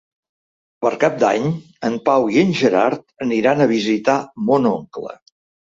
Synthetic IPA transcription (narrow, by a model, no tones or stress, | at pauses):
pəɾkap̚d̪a̰ɲ | əmpawiənʲʒəɾaɾt̪əniɾanəβ̞izit̪amonoŋklə̰